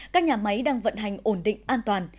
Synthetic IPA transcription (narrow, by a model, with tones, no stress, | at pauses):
kaː˦˥k̚ɲaː˨˩ma˨˦jɗaː˧ŋvə̰˧˨nɦa˨˩jŋ̟ʔo˧˩nɗḭ˧˨ŋ̟ʔaː˧nt̪waː˨˩n